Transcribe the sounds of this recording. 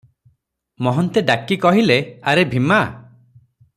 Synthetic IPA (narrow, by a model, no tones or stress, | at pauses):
mɔɦɔnt̪edakikɔɦileaɾebʱima